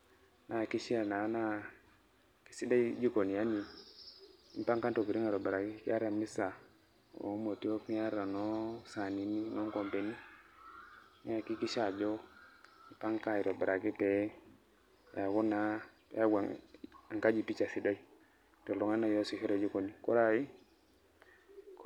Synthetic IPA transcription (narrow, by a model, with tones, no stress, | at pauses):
nʔa˨ki˦ʃi˦a˨na˨˦na˦ | ki̥˨˦si˦da˦i˦d͡ʒi˦ko˨ni˨ja˦ni˨ | i˦m˦pa˦ŋka˦nto˨ki˨ɾi˦ŋa˨ɾo˨be˨ɾa˨ki˦ki˦a˦ɾa˨mi˦sa˨ | o̰˨˦mo˨ti˦o˦pi˦a˦ɾa˨no˦sa˨ni˨ni˦no˦ŋko˨mpe˨ni˦ | a˨ki˦ki˦ʃa˨d͡ʒo˦ | i˨pa˦ŋka˦i˨ɾo˨be˨ɾa˨ki˦pe˨˦ | a˨ku˦na˨˦ | ja˦ɡʷwa˨ŋa˨ŋka˦d͡ʒi˨pi˦t͡ʃa˨si˨da˦i˦ | to˨lo˨ŋa˦na˨jo˦si˨hi˦ɾe˨d͡ʒi˦ko˨ni˨ko˦ɾa˨i˦ | k